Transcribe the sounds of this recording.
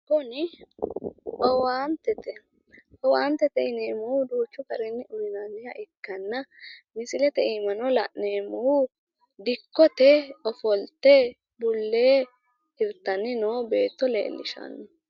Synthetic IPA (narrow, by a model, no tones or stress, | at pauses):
kɔnɪ | ʔɔwaːnt̪ɛt̪ɛ | ɔwaːnt̪ːɛt̪ɛɪneːmɔwʊd̪uːt͡ʃːʊkɐɾɛnːɪʔʊɾɪnanːɪjɐ̰ʔɪkːɐnːɐmɪsɪlɛt̪ɛiːmɐnɔlɐʔneːmɔwʊ | d̪ɪkːɔt̪ɛɔfɔlt̪ɛ | bʊlːeː | hɪɾt̪ːɐnːɪnoːbe̞ːt̪ːɔlḛːlːɪ̰ʃɐ̰nːɔ